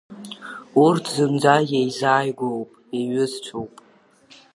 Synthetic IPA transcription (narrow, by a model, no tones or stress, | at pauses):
urtʰzɨmd͡zajejzaːjɡʷowpʼeɥɪzt͡ʃʷʰowpʼ